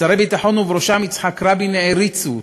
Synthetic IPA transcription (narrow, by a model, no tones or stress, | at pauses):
aɾebit̪aħonuvɾoʃamit͡sħakɾabineeɾit͡su